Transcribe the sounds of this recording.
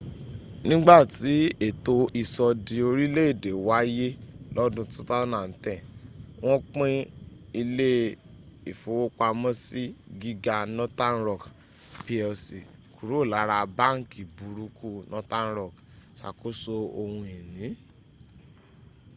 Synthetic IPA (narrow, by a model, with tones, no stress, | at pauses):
nĩ˦ɡ͡ba˦˨ti˨˦e˨to˧i˨sɔ˧di˧o˧ɾi˦le˦e˦˨de˨wa˨˦je˦lɔ˦dũ˧tũ˦ta˦nã˨n̩˨tɛ̃˦˨w̃ɔ̃˦k͡pẽ˦i˧le˦ | e˨fo˨˦wo˦k͡pa˧mɔ̃˦si˦ɡi˦ɡa˧nɔ̃˦ta˦n˦ɾɔ˦˨k | pi˧˦ɔ˧si˨ku˨ɾu˨˦˨la˨˦ɾa˧ba˦˨ŋ̩˨ki˨bu˨˦ɾu˨˦kʰu˦nʔɔ̃˦tã˦n̩˦ɾɔ˦˨k | sa̰˨ko˦so˧o˧hũ˧i˨nĩ˨˦